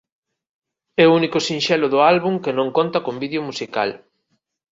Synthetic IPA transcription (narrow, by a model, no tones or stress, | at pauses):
ɛʊunikʊsĩnʃɛlʊðʊalβuŋkɪnõŋkont̪ɐkombiðeʊmusika̰l